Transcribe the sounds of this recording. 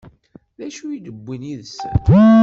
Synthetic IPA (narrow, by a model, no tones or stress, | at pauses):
ðæʃujid̪əbʷːiniðəs